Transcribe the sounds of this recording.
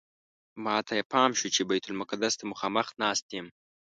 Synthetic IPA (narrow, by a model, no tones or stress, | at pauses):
mɑt̪ʰajepɑmʃut͡ʃebajt̪ʰʊlmʊkad̪ast̪amʊxɑməxnɑst̪em